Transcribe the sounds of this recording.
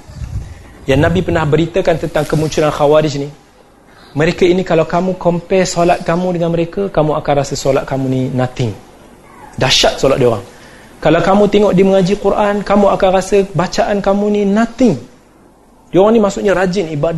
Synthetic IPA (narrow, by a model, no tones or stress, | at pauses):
jannabipərnahbəɾit̪əkant̪ənt̪aŋkəmuɲt͡ʃulanxawaɾɪd͡ʒni | məɾekainikalawkamukompɛsolat̪̚kamudəŋanməɾekəkamuakanrasəsolat̪̚kamuninãt̪ɪŋ | daʃat̪̚solat̪̚dioɾaŋ | kalawkamut̪ɛŋɔʔdiməŋad͡ʒikuɾʔankamuakanrasəbat͡ʃaʔankamuninat̪ɪŋ | dioɾaŋnimasʊʔɲaɾad͡ʒɪnibad